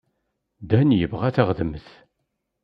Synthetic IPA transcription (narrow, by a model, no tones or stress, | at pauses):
d̪ænjəvʁæθaʁðəmθ